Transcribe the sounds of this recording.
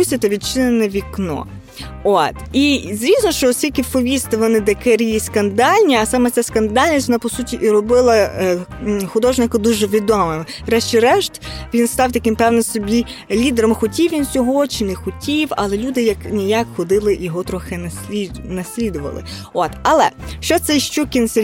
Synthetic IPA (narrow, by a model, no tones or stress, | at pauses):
usʲɐt̪ɐʋʲid̪̚t͡ʃɪnenɛʋʲiknɔ̰ | ot̪izɾʲisnɔʃt͡ʃɔɔt̪sʲtʲilʲkɪwpɔʋʲist̪ɪʋɔnɪd̪ɐkɛɾʲijiskɐnd̪ɑlʲnʲiɐsɑmɛt͡sʲaskɐnd̪ɑlʲnʲisʲʋɔnapɔsutʲiʔiɾɔbɪlˠɐ | xʊd̪ɔʒnɪkɐd̪uʒɛʋʲid̪ɔmɪm | ɾɛʃt͡ʃɪɾɛʃt̪ʲʋʲinst̪ɑwt̪ɐkɪmpɛwnɪsɔbʲi | lʲid̪ɛɾɔmxɔtʲiwʋʲinsʲɔɦɔt͡ʃɪnɛxɔtʲiwɐlˠɛlʲud̪ɪjɐknʲijakxɔd̪ɪlˠɪjɔɦɔt̪ɾɔxɪnɐsʲlʲinɐsʲlʲid̪ʊʋɐ̰lˠɪ̰ | ɔt̪ɐlˠɛ̰ʃt͡ʃɔt̪sɛʃt͡ʃukʲinsɛ